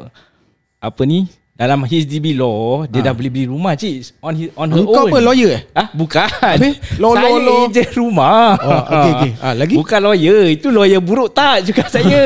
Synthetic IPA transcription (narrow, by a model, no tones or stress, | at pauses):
apəni | dalamɦis̬dibilɔdiədahbəlibəliɾumaht͡ʃiʔsɔniɔnɦəŋokawnpəlɔjəahbukanelɔaɔlɔd͡ʒəɾuma | alaɡibukanlɔjəit̪ulɔjəbuɾuʔt̪aʔ̚t͡ʃukaʔsaə